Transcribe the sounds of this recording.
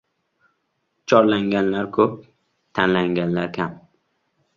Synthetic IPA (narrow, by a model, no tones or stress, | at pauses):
t͡ʃʰɒɾlaŋɡʲanlaɾkʰɵp̚ | t̪ʰanlaŋɡʲanlaɾkʲʰam